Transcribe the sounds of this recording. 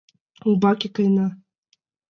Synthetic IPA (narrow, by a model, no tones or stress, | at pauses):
ubakʲikajna